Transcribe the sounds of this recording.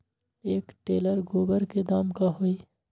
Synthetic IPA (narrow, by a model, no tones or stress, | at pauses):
eːkʈeːləɾɡoːbəɾked̪aːmkaɦoiː